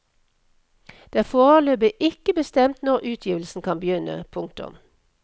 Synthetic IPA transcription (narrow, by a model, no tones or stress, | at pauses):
d̪̥eæːfoːʁəløːbəʔɪkəbəst̪ɛmt̪nɔʁʔʉːt̪ʰjiːʋl̩sn̩kʰɑnbəjʏnə̰pʰʊŋk̚t̪ʊ̰m